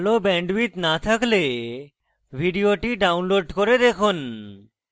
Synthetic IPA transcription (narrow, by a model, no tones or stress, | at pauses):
lobɛɳɖbit̪nat̪ʰakle | bʱiɖioʈiɖawnloɖkoɾed̪ekʰun